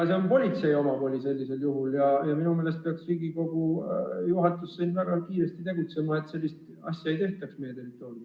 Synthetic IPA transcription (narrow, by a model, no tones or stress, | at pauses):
seonpo̞lʲit̪se̞jo̞mɑpo̞ːlʲise̞lʲːise̞ljuɦuljɑjɑminumele̞st̪̚peɑksriːɡiko̞ɡ̥ujuɦɑt̪ːˑusːiːnvæɡ̥ɑkiːɾe̞st̪it̪e̞ɡut̪se̞mɑe̞t̪ːse̞lːist̪ | ɑ̰sːjɑe̞jt̪e̞ht̪ɑksmejet̪e̞rit̪ːˑo̞ːɾu